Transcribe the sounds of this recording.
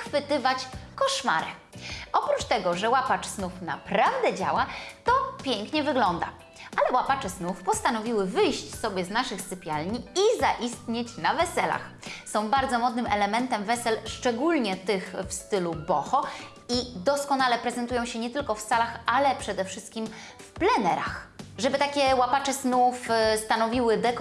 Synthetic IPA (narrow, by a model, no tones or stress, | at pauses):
xfɘt̪ɘvat͡ɕkɔʂma̰ɾɛ | ʔɔpɾut͡ʂt̪ɛɡɔʐɛwapat͡ʂsnufna̰pɾavd̪ɛd͡ʑa̰wat̪ɔpʲjɛŋkɲɛvɘɡlɔnd̪a̰ | ʔalɛwapat͡ʂɛsnufpɔst̪anɔvʲiwɘvɘjɕt͡ɕsɔbʲjɛznaʂɘxsɘpʲjalɲiizaʔist̪ɲet͡ɕnavɛsɛla̰x | sɔ̃w̃baɾd̪zɔmɔd̪nɘmʔɛlɛmɛnt̪ɛmvɛsɛlʂt͡ʂɛɡulɲɛt̪ɘxfst̪ɘlubɔxɔ | id̪ɔskɔnalɛpɾɛzɛnt̪ujɔ̃w̃ɕɛɲɛt̪ɘlkɔfsalaxalɛpʂɛd̪ɛfʂɘst̪̚kʲimfplɛnɛɾa̰xʐɛbɘt̪akʲɛwapat͡ʂɛsnufst̪anɔvʲiwɘd̪ɛk